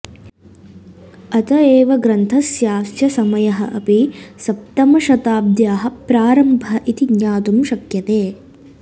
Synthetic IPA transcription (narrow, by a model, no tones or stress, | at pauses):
ɐt̪ɐeːʋɐɡɾɐnt̪ʰɐsjaːsjɐsɐmɐjɐɦɐ̰ʔɐpisɐp̚t̪ɐmɐʃɐt̪aːb̚d̪jaːɦɐpɾaːɾɐmbʱɐʔit̪iɡɲaːt̪umʃɐkjɐt̪eː